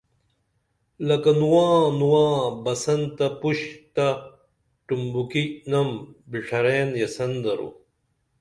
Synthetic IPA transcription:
lɐkɐnuwãːnuwãːbɐsɐnt̪ɐpuɕt̪a | ʈumbukinɐmbiʂʰɐɾeːnjɐsɐnd̪ɐɾṵ

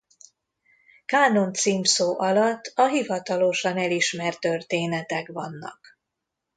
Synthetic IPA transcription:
kaːno̞nt̪siːmsoːʔɒlɒt̪ːɒɦivɒt̪ɒlo̞ʃɒnɛliʃmɛrt̪ørt̪eːnɛt̪ɛkʋɒnːɒ̰k

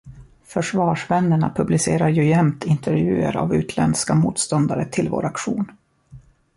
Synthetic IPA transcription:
fœʂvɑːʂvɛnːəɳa̰pʰɵblɪseːɾaɾjɵjɛmt̪ʰɪnt̪ʰɛɾvjʉ̟̰ːə̰ɾa̰vʉ̟ːt̪ʰlɛnd̪skamuːt̪st̪ɔnd̪aɾət̪ʰɪlvo̰ːɾakɧuːn

